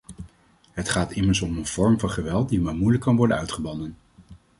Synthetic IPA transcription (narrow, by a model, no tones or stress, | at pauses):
ɦətχaːtɪməɹsɔmənv̥ɔɹmvɑnχəʋɛlˠt̚dimaːɹmujləkːɑnʋɔɹdə̰nœɥtχəbɑndən